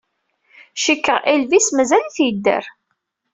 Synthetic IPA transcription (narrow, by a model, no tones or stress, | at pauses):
ʃikːəʁʔilvismæzæliθjəd̪ːə̰ɾ